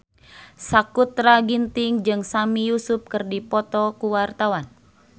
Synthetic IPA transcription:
sakut̪ɾaɡint̪ɪŋd͡ʒɨŋsamijusup̚kɨrdipɔt̪ɔkuwart̪awan

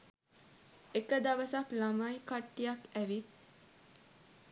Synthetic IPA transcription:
ekəd̪ɐʋəsaklamajkaʈːijakæʋit̪̚

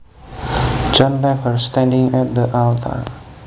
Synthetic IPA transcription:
d͡ʒɔ̃nlafəɹstɛ̃ndɪ̃ŋɛt̚d̪əʔaltʰə̰ɹ

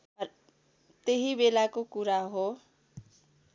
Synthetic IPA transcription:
t̪eɦibelakokuɾaɦo

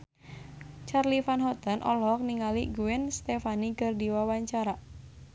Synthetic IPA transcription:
t͡ʃarlifanɦɔt̪ənʔɔlɔk̚niŋaliɡuɛnst̪efanikərdiwawaɲt͡ʃaɾa

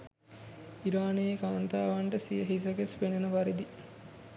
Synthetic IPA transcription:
iɾaːnejkaːnt̪aːʋaɳʈəsijəɦis̬ɐkespenɐnəʋaɾid̪i

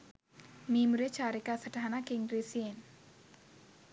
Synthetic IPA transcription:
mimuɾet͡ʃaɾikasəd̥aɦanakɪŋɾisien

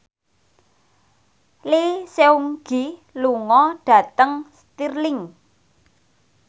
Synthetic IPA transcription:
liseuŋɡ̥iluŋɔɖ̥ä̤t̪əŋst̪irlɪŋ

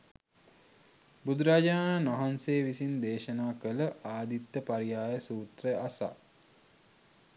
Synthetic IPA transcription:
bud̪uɾaːd͡ʒaːnaːnʋaɦanseːʋisind̪eːʃənaːkələʔaːd̪it̪ːəpaɾijaːjəsuːt̪ɾəasa̰

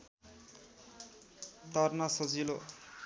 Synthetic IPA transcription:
t̪ʌrnʌsʌd͡zilo

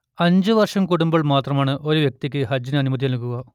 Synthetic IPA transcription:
ɐɲd͡ʑɨʋɐrʂɐmkuɽumbɐɭmaːt̪rɐmaːɳɨʔo̞ɾuʋjek̚t̪ikʲːɨhɐd͡ʑinɐnumɐd̪ijɐlukːuɣɐ

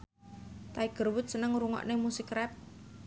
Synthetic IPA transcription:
t̪aiɡ̥ə̤rwʊt̪̚sənəŋɾuŋɔ̰ʔnemusɪkrɛp̚

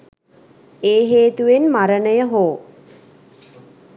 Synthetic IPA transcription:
eːɦeːt̪uʋenmaɾənəjəɦoː

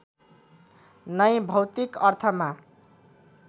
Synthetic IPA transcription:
nʌjbʱʌwt̪ikʌrt̪ʰʌma

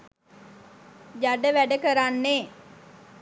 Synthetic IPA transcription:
jaɖəʋæɖəkəɾanːe

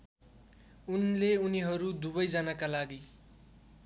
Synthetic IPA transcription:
unleuniɦʌɾud̪ubʌjd͡zanakalaɡi

